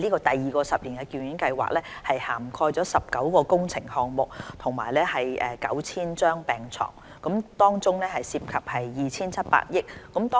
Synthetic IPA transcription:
liː˥kɔː˧t̪ɐ˨jːiː˨˩kɔː˧sɐ˨p̚liː˨˩nkɛ˧ki˨˧jyː˨˥nkɐ˧jwa̰ː˨k̚lɛː˥hɐ˨jhaː˨˩mkʰɔː˧jt͡sɔː˨˥sɐ˨p̚kɐ˨˥wkɔː˧kʊ˥ŋt͡sʰɪ˨˩ŋhɔː˨ŋmʊ˨k̚t̪ʰʊ˨˩ŋmaː˨˩jlɛː˥hɐ˨jɛː˨˩kɐ̰˨˥wt͡sʰiː˥nt͡ʃœː˥ŋpɛː˨ŋt͡sʰɔ̰ː˨˩ŋ | kʊ˨˥mt̪ɔː˥ŋt͡sʊ˥ŋnɛː˥hɐ˨jsiː˧p̚kʰɐ˨p̚hɐ˨jːiː˨t͡sʰiː˥nt͡sʰɐ˥t̚pa̰ː˧t̚jɪ˥k̚ːʊ˨˥mt̪ɔː˥

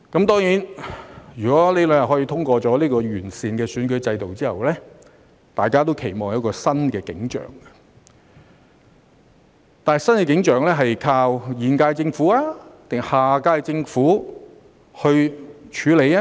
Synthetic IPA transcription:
kɐ˨˧˥mt̪ɔː˥ŋjiː˨˥njɥyː˨kɔː˨˥le˨˧jlœ˨˧ŋjɐ˨˩ɦɔː˨˥jiː˧t̪ʰʊ˥ŋkʷɔː˧t͡sɔː˨˥liː˥kɔː˧jyː˨˩nsiː˨nkɛː˧syː˨˥nkɵ˨˥ɥt͡sɐ˧jt̪o˨wt͡siː˥hɐ̰˨˩wlɛː˥ | t̪aː˨˩jkaː˥t̪̬o˥wkʰe˨˩jmɔː˨˩ŋjɐ˨˥wkɔː˧sɐ˥nkɛː˧kɪ̰˨˥ŋt͡ʃœ̰ː˨˩ŋɐ̥˧ | t̪aː˨nhɐ˨˩jsɐ˥nkɛː˧kɪ˨˥ŋt͡ʃœː˨˩ŋlɛː˥ɦɐ˨jkʰaː˧wjiː˨˩nkaː˧jt͡sɪ˧ŋfuː˨˥aː˧t̪ɪ˨˩ŋhaː˨kaː˧jt͡sɪ˧ŋfuː˨˥ | hɵ˧ɥt͡ʃʰyː˨˧le˨˧jaː˦˥

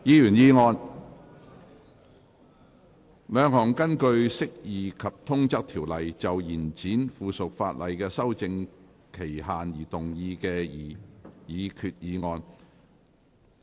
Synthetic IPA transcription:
jiː˧jyː˨˩njiː˨˧ŋɔː˧n | lœː˨˧ŋɦɔː˨˩ŋkɐ˥nkɵ˧ɥsɪ˥k̚jiː˨kʰɐ˨p̚t̪ʰʊ˥ŋt͡sɐ˥k̚t̪ʰiː˨˩wlɐ˨jt͡sɐ˨wjiː˨˩nt͡siː˨˥nfuː˨sʊ˨k̚faː˧t̚lɐ˨jkɛː˧sɐ˥wt͡sɪ˧ŋ | kʰe˨˩jɦaː˨njiː˨˩t̪ʊ˨˩ŋjiː˧kɛː˧ji˨jiː˨˧kʰyː˨t̚jiː˨˧ŋɔː˧n

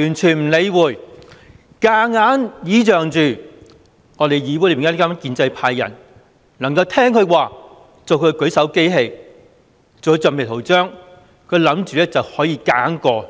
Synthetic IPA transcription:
yː˨˩nt͡ʃʰyː˨˩nm̩˨˩le˨˧jwuː˨˩j | kaː˧ŋaː˨˥njiː˨˥t͡ʃœː˨ŋt͡ʃyː˨˩ | ŋɔː˨˧ɾe˨jjiː˧pwuː˧˥le˨˩˨ka˥ma˥kiː˧nt͡sɐ˧jpʰaː˧jːɐ̰˨˩n | nlɐ˨˩ŋkɐ˧wt̪ʰɛː˥ŋkʰɵ˧waː˨˩ | t͡so˨wkʰɥkɵ˨˥sɐ˨˥wke˥jɦe˧j | t͡so˨kːt͡sœ˨me˨˩t̪ʰo˨˩wt͡ʃœː˥ŋ | kʰɵ˨˧lɐ˨˧˥mt͡ʃyː˨˧lɛː˥t͡sɐ˨whɔː˨˥jiː˧kaː˨˥nkɔː˧

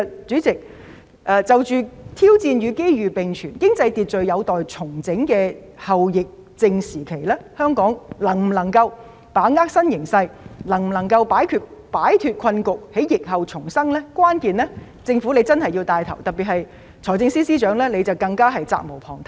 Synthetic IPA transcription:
t͡ʃyː˨˥t͡sɪ˨k̚ | ʔɛː˧t͡sɐ˨wt͡ʃyː˨t̪ʰiː˥wt͡siː˧nɥyː˨˧ke˥jɥyː˨˩pɪ˨ŋt͡ʃʰyː˨˩nkɪ˥ŋt͡sɐ˧jt̪iː˨t̚t͡ʃɵ˨ɥjɐ˨˧wt̪ɔː˨˩jt͡sʰʊ˨˩ŋt͡sɪ˨˥ŋkɛː˧ | hɐ˨wjɪ˨k̚ | t͡sɪ˧ŋsiː˨˩kʰe˨˩jlɛː˥hœː˥ŋkɔː˨˥ŋlɐ˨˩ŋm̩˨˩lɐ˨˩ŋkɐ˧w | paː˨˥ŋaː˥k̚sɐ˥njɪ˨˩ŋsɐ˧jlɐ˨˩ŋm̩˨˩lɐ˨˩ŋkɐ˧wpaː˨˥jkʰyː˧t̚paː˨˥jt̪ʰyː˨t̚kʷʰɐ˧nkʊ˨k̚he˨˥jjɪ˨k̚ɦɐ˨˩wt͡sʰʊ˨˩ŋsɐ˥ŋlɛː˥kwaː˥nkiː˨nlɛː˥ | t͡sɪ˧ŋfu˨˥nle˨˧jt͡sɐ˥nɦɐ˨ji˧wt̪aː˧jt̪ʰɐ˨˩wt̪ɐ˨piː˨t̚hɐ˨j | t͡sʰɔː˨˩jt͡sɪ˧ŋsiː˥siː˥t͡ʃœː˨˥ŋlɛː˥le˨˧jt͡sɐ˨wkɐ˧ŋkaː˥ɦɐ˨jt͡sa̰ː˧k̚mo˨˩wpʰɔ̰ː˨˩ŋt̪ʰ

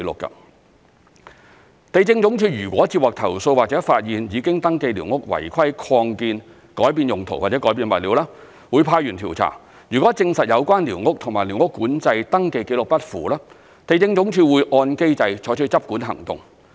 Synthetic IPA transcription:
lʊ̰˨kːɐ̰˧ | t̪e˨jt͡sɪ˧ŋt͡sʊ˨˥ŋt͡ʃʰyː˧ɥyː˨˩kwɔː˨˥t͡siː˧p̚waː˨k̚t̪ʰɐ˨˩wso˧waː˨˩t͡sɛː˨˥faː˧t̚jiː˨njiː˨˧kɪ˥ŋt̪ɐ˥ŋke˧jliː˨˩wŋʊ˥k̚wɐ̰˨˩jkʰɐ˥jkʰɔː˧ŋkiː˧n | kɔː˨˥jpiː˧njʊ˨˩ŋt̪ʰo˨˩waː˨t̚t͡sɛ˨˧˥kɔː˨˥piː˧nwɐ˨t̚liː˨˧wlaː˥ | wuː˨˧jpʰaː˧jyː˨˩nt̪ʰi˨˩wt͡sʰa̰ː˨˩ŋ | jyː˨˩kʷwɔː˨˥t͡sɪ˧ŋsɐ˨t̚jɐ˨˧wkʷaː˥nliː˨˩wŋʊ˥k̚t̪ʰʊ˨˩ŋmaː˨˩jli˨˩wŋʊ˥kːuː˨˥nt͡sɐ˧jt̪ɐ˥ŋke˧jke˨˥lʊ˨k̚pɐ˥t̚fuː˨˩laː˥ | t̪e˨jt͡sɪ˧ŋt͡sʊ˨˥ŋt͡ʃʰyː˧wuː˨˧jʔɔː˧nke˥jt͡sɐ˧jt͡ʃʰɔː˨˥jt͡ʃʰjt͡sɐ˥p̚kuː˨˥nɦɐ̰˨˩ŋt̪ʊ̰˨ŋ

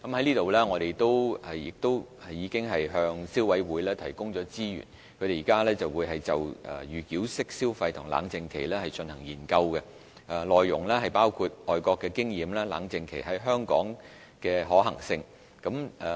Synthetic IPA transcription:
kɐ˨˦mhɐ˨˦jliː˥t̪o˨wlɛː˥ŋɔː˨˧ɾe˨jt̪o˥wɐ˨jɪ˨k̚t̪o˥wjiː˨˧kɪ˥ŋɦɐ˨jɦœː˧ŋsiː˥wɐ˨˥jwuː˨˧˥jlɛː˥t̪ʰɐ˨˩jkʊ˥ŋt͡ʃɔː˨˧˥t͡siː˥jy̰ː˨˩n | kʰɵ˨˧t̪e˨jiː˨˩kaː˥lɛː˥t͡sɐ˨wuː˨˧jɦɐ˨jt͡sɐ˨wʔɛ̰˨jyː˨kiː˨˥wsɪ˥k̚siː˥wfɐ˧jt̪ʰʊ˨˩ŋla̰ː˨˥ŋt͡sɪ˨˧ŋkʰe˨˩jlɛː˥hɐ˨jt͡ʃɵ˧nhɐ˨˩ŋjiː˨˩nkɐ˧wkɛ˧ | ʔɛ˨˧lɔː˨jːʊ̰˨˩ŋlɛː˥ɦɐ˨jpaː˥wkʰu˧t̚ʔɔː˨jkɔː˧kːɛ˧kɪ˥ŋjiː˨mlaː˥la̰ː˨˥ŋt͡sɪ˨˧ŋkʰḛ˨˩jɦɐ˨˥jɦœː˥ŋkɔ̰ː˨˥ŋ | kɛː˧ɦɔː˨˥ɦɐ˨˩ŋsɪ˧ŋ | kɐ˨˥mɛ˨

